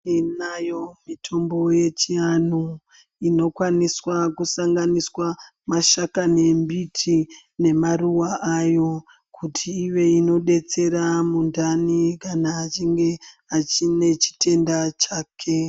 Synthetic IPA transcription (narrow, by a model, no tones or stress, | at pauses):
inajo̞mitʰo̞mbo̞je̞t͡ʃianu | ino̞kwaniswakusaŋɡaniswa | maʃakane̞mbitʰi | ne̞maruwaʔajo̞ | kʰutʰiːʋe̞ino̞ɗe̞t͡se̞ɾamundʱanikanaːt͡ʃiŋɡe̞at͡ʃine̞t͡ʃi̥tʰe̞ndat͡ʃaːkʰe̞